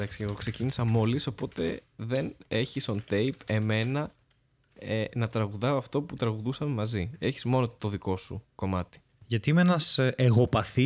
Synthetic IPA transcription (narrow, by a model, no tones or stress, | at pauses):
ɐksi̥ceɣo̞kse̞cinisɐmo̞liso̞po̞t̪e̞ðe̞ne̞çisont̪e̞jpe̞me̞nɐ | enɐt̪ɾɐɣuðɐoɐft̪o̞put̪ɾɐɣuðusɐme̞mɐzie̞çizmo̞not̪o̞ðiko̞sṵko̞mɐt̪i̥ | ʝɐt̪iimeenɐsʔeɣo̞pɐθi